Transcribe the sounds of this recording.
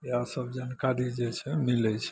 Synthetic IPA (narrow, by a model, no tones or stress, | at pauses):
easəbd͡ʒankaɾid͡ʒɛt͡ʃʰɛmilɛt͡ʃʰɛ̥